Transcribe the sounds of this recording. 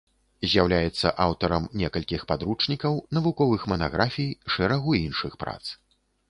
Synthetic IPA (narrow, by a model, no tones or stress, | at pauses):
zʲjawlʲajɛt̪sːɐ̰ʔawt̪ɐɾɐmnʲɛkɐlʲkʲixpad̪ɾut͡ʂnʲikɐwnɐvukɔvɨxmɐna̰ɣɾʔafʲijʂɛɾɐɣuinʂɨxpɾa̰t̪s